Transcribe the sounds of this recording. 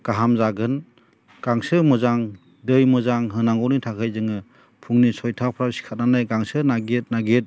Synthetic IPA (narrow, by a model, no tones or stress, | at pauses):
ɡ̥aɦamzaɡɯn | ɡ̥aŋsɯmɯzaŋ | dɯjmɯzaŋɦɯnaŋɡɔwnitʰakʰɯjzɯŋɯ | pʰuŋnisɔjtʰawpʰɾawsi̥kʰat̚nanajɡaŋsɯnaɡet̚naɡet̚